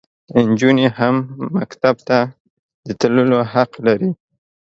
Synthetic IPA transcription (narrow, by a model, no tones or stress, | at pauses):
ɪnd͡ʒunihamːakt̪ab̚t̪a | d̪̥ət̪ləlohaqlaɾi